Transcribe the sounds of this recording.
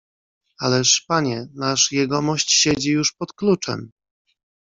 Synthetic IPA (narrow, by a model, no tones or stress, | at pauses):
alɛʂpaɲɛnaʂjɛɡɔmɔɕt͡ɕɕed͡ʑijuʂpɔt̪klut͡ʂɛ̰m